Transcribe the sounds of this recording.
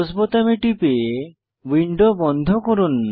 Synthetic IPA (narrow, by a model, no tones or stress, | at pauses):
sbot̪amiʈipe | wiɳɖobɔnd̪ʱɔkoɾunː